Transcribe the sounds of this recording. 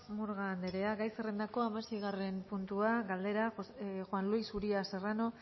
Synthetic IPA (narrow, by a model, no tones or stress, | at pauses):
muɾɣand̪eɾe̞aɣajserend̪ako̞amasejɣare̞mpunt̪uaɣald̪e̞ɾaxwanluisuɾiase̞rano̞